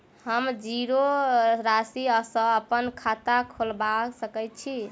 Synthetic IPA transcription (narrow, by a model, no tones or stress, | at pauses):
həmd͡ʒiɾoɾasiəsə̃əpənkʰat̪akʰolbasəkət̪̚t͡ʃʰi